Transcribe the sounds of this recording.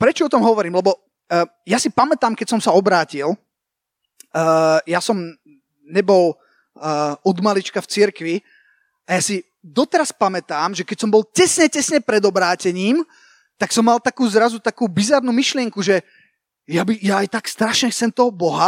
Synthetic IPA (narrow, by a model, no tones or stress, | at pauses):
pɾɛt͡ʃɔɔt̪ɔmɦɔʋɔɾiːmlɛbɔ | jasipamɛt̪aːmkɛcsɔmsaɔbɾaːcil | jasɔm | ɲɛbɔl | ɔd̪malit͡ʃkaft͡siɾkʋi | ajasi | d̪ɔt̪ɛɾaspamɛt̪aːmʒɛkɛcsɔmbɔlcɛsɲɛcɛsɲɛpɾɛd̪ɔbɾaːcɛɲiːm | t̪aksɔmːalt̪akuːzɾazut̪akuːbizaɾnuːmiʃlɪɛŋkuʒɛ | jabijaːjt̪akst̪ɾaʃɲɛxt͡sɛmt̪ɔɦɔbɔɦa